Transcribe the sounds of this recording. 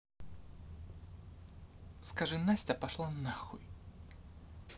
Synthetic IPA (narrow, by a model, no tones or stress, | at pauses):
skaʐɨnasʲtʲɐpɐʂlˠanaxʊ̰j